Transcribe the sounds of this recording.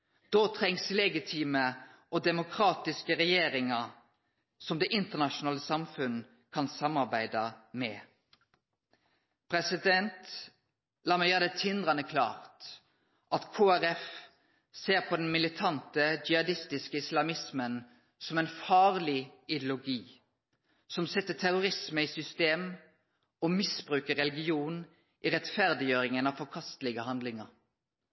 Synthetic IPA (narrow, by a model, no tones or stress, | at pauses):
d̪̥oːt̪ʰʁɛŋslɛɡɪt̪ʰiːməʔod̪ɛmʊkʰʁɑːt̪ɪskəʁɛjeːʁɪŋɑ | sɔmd̪ɛʔɪnt̪əʁnɑʃʊnɑːləsɑmfʉn | kʰɑnsɑmːɑʁbæɪd̪ɑmɛː | pʰʁɛsɪd̪ɛnt̪ | lɑːmɛjɑd̪ɛt̪ʰɪnd̪ʁɑnəkʰlɑ̰ːʁt̪ | ʔɑt̪kʰoːæɾɛf | seːʁpʰɔd̪ɛnmɪlɪt̪ʰɑnt̪əd͡ʒɪhɑd̪ɪst̪ɪskəɪslɑmɪsmən | sɔmɛnfɑːʁlɪɪd̪jʊlʊɡiː | sɔmsɛt̪ːət̪ʰæʁʊʁɪsməiːsʏst̪eːm | omɪsbʁʉːkəʁɛlɡɪuːn | ʔiːʁɛt̪fæʁd̪ɪjøːʁɪŋənɑʋfɔʁkʰɑst̪lɪɡəhɑnd̪lɪŋəʁ